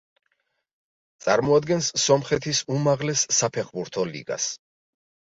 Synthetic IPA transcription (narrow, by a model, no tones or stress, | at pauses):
t̪sʼaɾmɔad̪ɡɛnsːɔmχɛt̪ʰisumaʁlɛsːapʰɛχbuɾt̪ʰɔlḭɡa̰s